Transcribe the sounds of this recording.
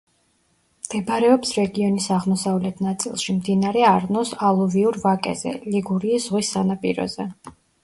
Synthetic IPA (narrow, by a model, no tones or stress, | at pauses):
md̪̥ɛbaɾɛɔpsɾɛɡiɔnisaʁmɔsavlɛt̪ʰnat̪sʼḭlˠʃimd̪inaɾɛaɾnɔsalˠuviuɾvakʼɛ̰zɛ̰liɡuɾiːz̥ʁwisːanapʼḭɾɔ̰zɛ